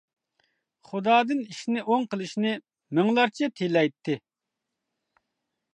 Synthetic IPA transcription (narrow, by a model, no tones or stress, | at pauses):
χud̪ɑːd̪ɨniʃnɪʔoŋqəlˠɨʃnɪ | mɪŋlˠɑɾt͡ʃʰɛt̪ʰelɛjt̪ʰːɪ